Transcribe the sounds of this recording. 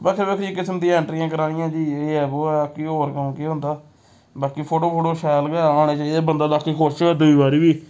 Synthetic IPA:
baːkʰeɾbeːkʰikɪsmd̪ĩɛ̃ːɳʈɾiːãːkəɾaːnijãːd͡ʒiːeːɛːboːɛːkiːɦoːɾkəũːkiːɦʊ̃nd̪aː | baːkiːpʰoːʈoːpʰoːʈoːʃɛːlɡɛːãːɽ̃eːt͡ʃaːiːd̪eːbənd̪aːd̪aːkiːkʰoɾʃoɛːd̪ʊiːbaːɾiːbiː

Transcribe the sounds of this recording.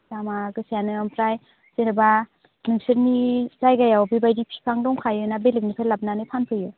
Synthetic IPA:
zamaɡɯsjanɯampʰɾaj | zeɾɯba | nɯŋsɯɾnizajɡajawbibajdipʰi̥pʰaŋdɔŋkʰajɯnabelɯk̚nipʰalap̚nanɯpʰanpʰɯjɯ

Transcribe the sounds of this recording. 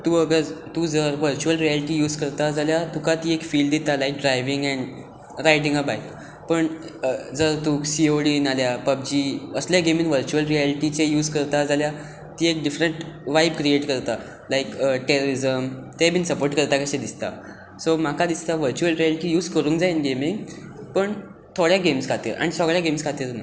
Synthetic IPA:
t̪uəɡəɾt̪ud͡zəɾʋəɾt͡ɕuəlɾialiʈijuːd͡zkəɾt̪ad͡zaljat̪ukat̪iːekfiːlɖd̪it̪alajk̚ɖɾajʋiŋɡɛ̃ɳ | ɾajʈĩŋɡabajk | pəɳd͡zəɾt̪uːksioɽinaljapəbd͡ʑiːəsljaɡeminʋəɾt͡ɕuəlɾiæliʈit͡ɕejuːd͡zkəɾt̪ad͡zalja | t̪iːek̚ɖifɾəɳʈʋajb̚kɾieʈkəɾt̪a | lajkəʈeɾoɾizəmt̪ebiːnsəpoɾʈkəɾt̪akaɕẽd̪ist̪a̰ | som̤akad̪ist̪aʋəɾt͡ɕuəlɾialiʈijuːd͡zkəɾuːŋkd͡zainɡemiŋɡ | pəɳ | t̪ʰoɽjaɡemskʰat̪ḭːɾa̰ɽ̃isəɡɭjaɡemskʰat̪iːɾna

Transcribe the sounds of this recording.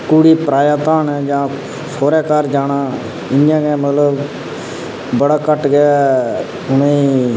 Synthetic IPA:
kuːɽiːpɾaːjaːt̪aːnɛd͡ʒãː | fʰoːɾɛːkaːɾd͡ʒaːnaː | ɪjãːɡɛ̃ːmət̪ləb | bəɽaːkəʈɡɛa | ʊnẽĩ

